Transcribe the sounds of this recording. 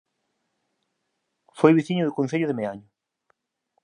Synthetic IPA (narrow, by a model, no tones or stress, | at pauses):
fojβiθiɲʊðʊkon̟θeʎʊðɪmeaɲʊ